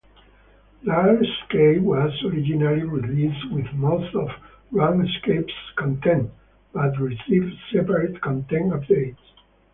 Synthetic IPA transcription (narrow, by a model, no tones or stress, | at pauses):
laskewɔzɔɹid͡ʒinaliɹilistwɪðmost̪ɔv | ɹãŋskepskɔ̃nt̪ʰɛ̃nt | b̥at̪ɹisivdsɛpəɹet̪kɔ̃nt̪ɛ̃napd̪eɪts